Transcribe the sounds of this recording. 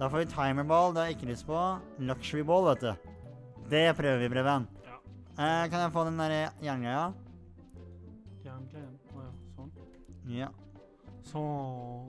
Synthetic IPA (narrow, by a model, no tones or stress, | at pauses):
d̪̥ɑːfoːɾʋɪt̪ʰɑɪməboːlˠd̪ɑɑɪkːəɾʉsə̥pʰɔlɑkʃʋɪboːlʋeːt̪̚d̪ʉ | d̪ɛpʰɾøːʋəɾʋɪbɾeːbən | kʰɑnjæɪfoːd̪ɛnd̪æɾəjæːɳɡœɪɑ | ɔ | jɑː | s